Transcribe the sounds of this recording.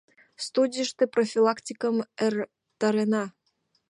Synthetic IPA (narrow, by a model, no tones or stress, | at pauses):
st̪udʲiʃt̪eprofʲilˠɑkt̪ʲikəmer | t̪ɑɾenɑ